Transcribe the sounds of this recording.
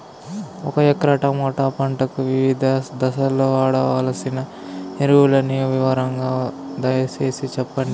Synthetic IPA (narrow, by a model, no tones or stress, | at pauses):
ɔkɐjɛkɾɐʈɐmɔːʈaːpɐɳʈɐkuʋiʋid̪ʱɐd̪ɐsɐlːoːʋaːɽɐʋaːlɐsinɐ | niɾuwulɐnijɐʋiʋɐɾɐŋɡaːd̪ɐjɐse̞ːsit͡ʃɛpːɐɳɖi